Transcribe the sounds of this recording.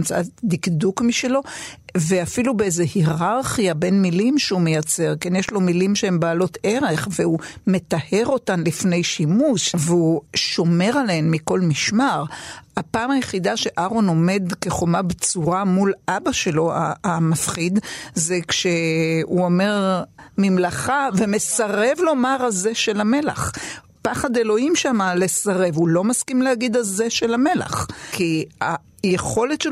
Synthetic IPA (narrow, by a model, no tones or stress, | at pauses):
mt͡saad̪ikdukmiʃelo̞ve̞afilubeezehiʁaʁχijabe̞nmilimʃeume̞jat͡se̞ʁkenjeʃlo̞milimʃehembaːlo̞tʰe̞ʁe̞χveume̞t̪ahe̞ʁo̞tanlifne̞jʃimuʃveuʃo̞me̞ʁaleemːiko̞lmiʃmaʁapaːmajeχidaʃe̞ʔaʁono̞me̞d̪ke̞χo̞mabet͡suʁamulʔabaʃe̞lo̞a̰amafχid̪zekʃe̞uome̞ʁmimlaχave̞me̞saʁe̞vlo̞maʁaze̞ʃe̞lame̞la̰χ | paχad̪e̞lo̞imʃamale̞saʁe̞vulo̞maskimlehaɡid̪aze̞ʃe̞lame̞la̰χkia | jeχo̞le̞t̪ʃe